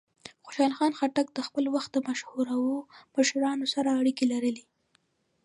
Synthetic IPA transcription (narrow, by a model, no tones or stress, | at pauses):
xo̥ʃɑlxɑnxaʈak̚d̪əxpəlwaxt̪̚d̪əmaʃhuɾawoməʃɾɑnosaɾaːɽikelaɾəle